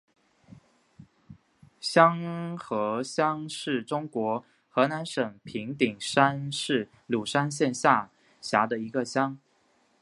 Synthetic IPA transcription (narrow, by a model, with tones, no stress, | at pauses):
ɕjɑ˥ŋxɤ˧˥ɕjɑ˥ŋʂɻ̩˥˩ʈ͡ʂʊ˥ŋkwɔ˧˥ | xɤ˧˥na˧˥nʂə˨˩ŋpʰi˧˥ŋt̪i˨˩ŋʂa˥nʂɻ̩˥˩ | lu˨˩ʂa˥nɕjɛ˥˧nɕja˥˩ | ɕja˧˥d̪ə˧i˧˥ɡə˧ɕjɑ˥ŋ